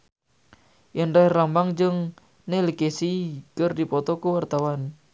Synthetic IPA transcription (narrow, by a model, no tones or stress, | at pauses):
ʔənrɛhrambaŋd͡ʒəŋ | nelikesikərdipɔt̪ɔkəwart̪awan